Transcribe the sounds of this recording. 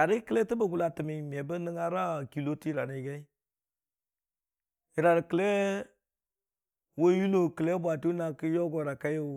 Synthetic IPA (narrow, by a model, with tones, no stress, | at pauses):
a˨ɾi˦kə˦lɛ˦tə˦bə˨ɡu˨la˨tɨ˨mi˨m˨ɛ˨bə˦nə˦ŋa˦ɾa˦˨ki˨lo˦ti˦ɾa˨ɾi˨˦ɡɛ˦i˦ | ɪ˨ɾa˨ɾkə˨lɛ˦ | wo˦ju˦lo˨kə˨lɛ˦bʷa˨tu˦na˨kə˦jɔ˦ɡɔ˨ɾa˨ka˦jo˨